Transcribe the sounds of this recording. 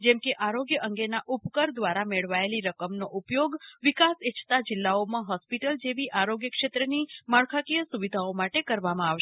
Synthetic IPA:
d͡ʒɛmkeʔaɾoɡjəʔəŋɡenaʔupkəɾd̪ʋaɾameɭʋaeliɾəkəmnoʔupjoɡʋikaset͡ʃʰt̪ad͡ʒɪlːaomãɦɔspiʈəld͡ʒeʋiʔaɾoɡjəkʃet̪ɾənimaɭkʰakijəsuʋid̪ʱaomaʈekəɾʋamãaʋʃ

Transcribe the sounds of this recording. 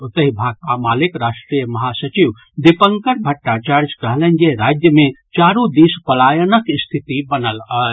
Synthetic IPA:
ut̪əɦibʱaːɡ̚pamaːlikɾaːʂʈɾijəmɐɦasət͡ʃiʋ | d̪ipəŋkəɾbʱəʈːat͡ʃaɾd͡ʒkəɦlənd͡ʒeɾad͡ʒjəmẽt͡ʃaɾũd̪ispəlaːjənəkist̪ʰit̪ibənələl

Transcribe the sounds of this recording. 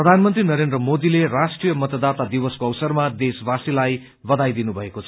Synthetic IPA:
prʌd̪ʱanmʌnt̪rinʌɾend̪rʌmod̪ilerasʈrijʌmʌt̪ʌd̪at̪ad̪iwʌskoʌwsʌrmad̪esbasilaj | bʌd̪ajd̪inubʱʌekot͡sʰ

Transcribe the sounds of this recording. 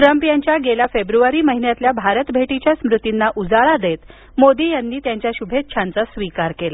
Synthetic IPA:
t̪ɾəmpijaɲt͡ɕjaɡelafebɾuʋaɾiːməɦinjat̪ljabʱaɾət̪bʱeʈit͡ɕjasmɾut̪inːaʔud͡zaɭad̪et̪ | mod̪iːjanːiːt̪jaɲt͡ɕjaɕubʱet̪̚ɕʰant͡sasʋikaɾkela

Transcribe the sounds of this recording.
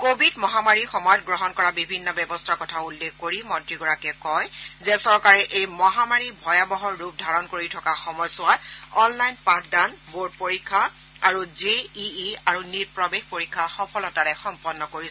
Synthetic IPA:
kobʱidmɔɦamaɹixɔmɔjɔt̚ɡɹɔɦɔnkɔɹabibʱinːɔbjɛbɔstʰakɔtʰaulːekkoɹimɔntɹiɡɔɹakɛkɔjzɛsɔɹkaɹɛʔejmɔɦamaɹibʱɔjabɔɦɔɹːup̚dʱaɹɔnkoɹitʰɔkaxɔmɔjsʊwatɔnlajnpakdanbod̚poɹikʰːa | aɹuzeiiaɹuniɹpɹɔbexpoɹikʰːaxɔpʰɔlɔtaɹɛxɔmpɔnːɔkoɹis

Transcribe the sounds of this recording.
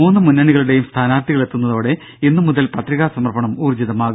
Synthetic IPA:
uːnːɨmunːɐɳiɣɐɭuɽe̞jumst̪ʰaːnaːt̪iɣɐɭe̞t̪ːunːɐðo̞ːɽe̞ | inːɨmuðɐlpɐt̪riɣaːsɐmɐrbɐɳɐmuːrd͡ʑiðɐmaːɣu

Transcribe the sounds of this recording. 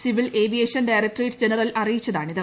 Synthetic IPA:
siʋile̞ːbijeːʂɐnɖajrɐkʈriːʈːɨd͡ʑenɐrɐlɐrijit͡ɕːɐðaːɳiðɐ

